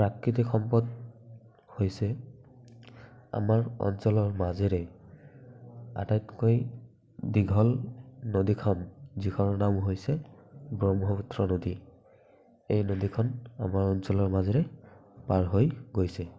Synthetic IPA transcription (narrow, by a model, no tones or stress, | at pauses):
pɹakɹit̪ikʰxɔmpɔd̚ | hojsɛ | a̰maɹɔ̰nsɔlɔɹmazeɹɛ | a̰tajtkoj | diɡʱɔlnodikʰɔnzikʰɔnɔnamɦojsɛbɹɔmɦɔputɹɔnodi | ejnod̪ikʰɔna̰maɹɔnsɔlɔɹmazeɹɛpaɹɦojɡojsɛ